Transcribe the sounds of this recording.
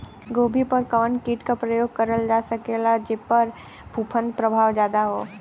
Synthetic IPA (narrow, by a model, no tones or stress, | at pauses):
ɡoːbʱipɐɾkɐʋənkiːʈkapɾɐjoːɡ̚kɐɾəld͡ʒaːsɐkelad͡ʒɪpəɾ | bʱuːpʰə̃nd̪̚pɾəbʱaːʋd͡ʒjaːd̪aɦo̰ː